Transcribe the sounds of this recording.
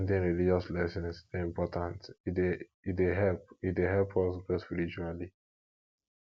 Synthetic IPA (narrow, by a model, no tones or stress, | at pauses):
ndẽnɹilid͡ʒɔslɛsɔ̃nsdɛĩmpɔtãntide | ideɦɛlp̚itdeɦɛlpʰɔspɛspiɹit͡ʃuali